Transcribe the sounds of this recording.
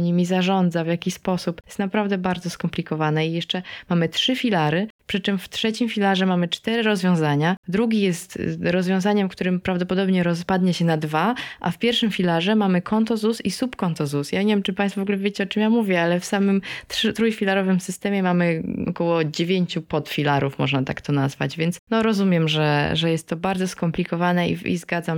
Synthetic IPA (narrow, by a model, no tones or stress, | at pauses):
ɲimʲizaʐɔnd̪zavjakʲispɔsupjɛst̪napɾavd̪ɛbaɾd̪zɔskɔmplʲikɔvanɛijɛʂt͡ʂɛmamɘtʂɘfʲilaɾɘpʂɘt͡ʂɘmft̪ʂɛt͡ɕimfʲilaʐɛmamɘt͡ʂt̪ɛɾɘɾɔzvʲjɔ̃w̃zaɲad̪ɾuɡʲijɛst̪ɾɔzvjɔ̃zaɲɛmkt̪uɾɘmpɾavd̪ɔpɔd̪ɔbɲɛɾɔspad̪ɲɛɕɛnad̪vaʔa̰fpʲjɛɾfʂɘmfʲilaʐɛmamɘkʰɔnt̪ɔzusisupkɔnt̪ɔzusjaɲevjɛmt͡ʂɘpaj̃st̪fɔvɔɡulɛvʲjed͡ʑit͡ɕɔt͡ʂɘmjamuvʲjɛalɛfsamɘmt̪ʂɘt̪ɾujfʲilaɾɔvɘmsɘst̪ɛmʲjɛmamɘɔ̰kɔwɔd͡ʑevʲjeɲt͡ɕupɔt̪fʲilaɾufmɔ̰ʐnat̪a̰kt̪ɔnazva̰d͡ʑvʲjɛnt̪snɔɾɔzumʲjɛmʐɛʐɛjɛst̪ːɔbaɾd̪zɔskɔmplʲikɔvanɛḭḭzɡad̪zam